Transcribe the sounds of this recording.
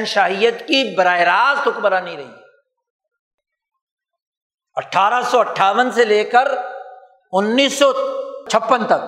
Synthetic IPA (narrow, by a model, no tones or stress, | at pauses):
nʃaːɦijət̪kibɐɾaːeɾaːst̪ʊkbəɾanĩɾɐɦḭː | ɐʈʰːaːɾəsɔɐʈʰːaːʋənseleːkəɾ | ʊnːiːsːɔt͡ʃʰɐpːənt̪ɐk̚